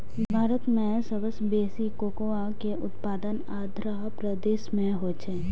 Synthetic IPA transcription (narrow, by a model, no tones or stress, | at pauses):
bʱaːɾət̪mẽsəbəsbeːsikoːkoakeʔʊt̪paːd̪ən | aːd̪ʱɾaɦpɾəd̪eːʃmẽɦoːt͡ʃeː